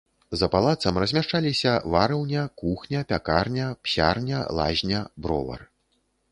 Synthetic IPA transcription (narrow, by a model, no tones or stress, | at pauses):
zɐpalˠat̪sɐmrɐzʲmʲaʂt͡ʂalʲisʲɐvaɾɐwnʲɐkuxnʲɐpʲakarnʲɐpɕʲarnʲɐ̰lˠa̰ʑʲnʲɐbɾɔ̰vɐ̰r